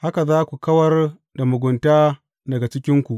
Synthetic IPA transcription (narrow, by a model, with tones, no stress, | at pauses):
ha˦ka˨zaː˦kʷu˨kɐ˦wɐ˦r | da˨mʊ˨ɡʷʊ˨ntaː˦ | dɐ˨ɡa˨t͡ʃɪ˦kʲɪ˦ŋkʷu˨ʔ